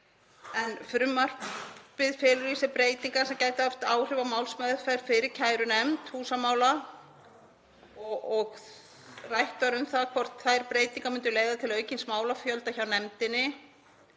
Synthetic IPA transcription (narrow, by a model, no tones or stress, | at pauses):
ɛnfɾʏmːar̥pɪðfɛɾʏɾisɪpɾeːjt̪iŋkasɛmcaːjt̪ɪaft̪aːwr̥ɪvamaːwlsmajðʏɾfajɾ̥fɪɾɪɾ̥cʰaːjɾʏnɛmt̪huːsamaːwla | ɔɔɣ | rajht̪aɾʏmθakʰvɔr̥t̪θajɾpɾeːjt̪iŋkamʏnt̪ʏleːjðat̪ʰɪlœːɥcɪnsmaːwlafjœlt̪açawnɛmt̪ɪnːɪ